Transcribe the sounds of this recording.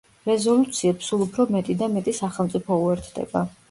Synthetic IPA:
ɾɛzɔlut̪sʰiɛpsulˠupʰɾɔmɛt̪ʼid̪amɛt̪ʼisaχɛlˠmt̪sʼipʰɔuɛɾt̪ʰd̪ɛ̰ba

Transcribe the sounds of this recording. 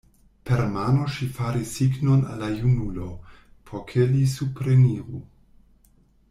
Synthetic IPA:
pʰeɾmano̞ʃifaɾisːiɡnona̰lːajunulo̞ | pʰoɾkʰelisupɾeniɾu

